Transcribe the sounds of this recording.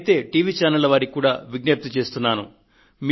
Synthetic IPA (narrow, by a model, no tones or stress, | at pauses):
t̪e̞ːʈiːʋiːt͡ʃaːnɐlːɐʋaːɾikːuːɽa̰ːʋiɡ̚nep̚t̪ut͡ʃe̞ːst̪unːaːnṵ | mi